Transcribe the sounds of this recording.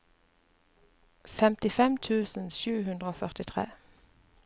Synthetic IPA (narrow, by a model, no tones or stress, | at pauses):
fɛmt̪ɪfɛmt̪ʰʉːsn̩ʃʉːhʉnd̪ʁəoːfœʁt̪ɪt̪ʰʁḛː